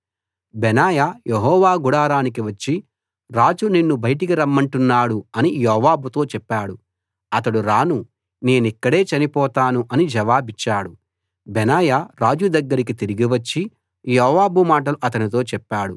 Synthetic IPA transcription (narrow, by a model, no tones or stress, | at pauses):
bɛnaːjajeɦɔːʋaːɡuɽaːɾaːnik̬iʋɐt͡ʃːi | ɾaːd͡ʒuninːubɐjʈik̬iɾɐmːɐɳʈunːaːɽuɐnijɔːʋaːbut̪o̞ːt͡ʃɛpːaːɽu | ɐt̪ɐɽuɾaːnu | ne̞ːnuɛkːɐɽe̞ːt͡ʃɐnipɔːt̪aːnuʔɐnid͡ʒɐʋaːbit͡ʃːaːɽu | bɛnaːjaɾaːd͡ʒud̪ɐɡːɐɾikit̪iɾiɡiʋɐt͡ʃːi | jɔːʋaːbumaːʈ̬ɐluʔɐt̪ɐnit̪o̞ːt͡ʃɛpːaːɽu